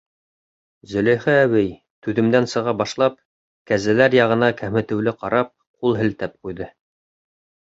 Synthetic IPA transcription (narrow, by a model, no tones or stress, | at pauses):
zɵ̆læ̆jχɘæwɘj | t̪ʉðɘ̆md̪ænsɤ̆ʁɑbɑʃlˠɑp̚ | kæzælæɾjɑʁɤ̆nɑkæmɘ̆t̪ɘ̆wlɘqɑɾɑp̚ | qulˠɦɘ̆lt̪æp̚qujðɤ